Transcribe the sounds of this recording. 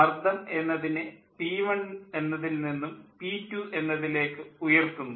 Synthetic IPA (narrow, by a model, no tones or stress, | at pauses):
ɐrd̪ʱɐme̞nːɐðinɨpiːʋɐɳe̞nːɐðilninːumpiːtːuʔe̞nːɐðile̞ːkːɨujɐrt̪ːunːu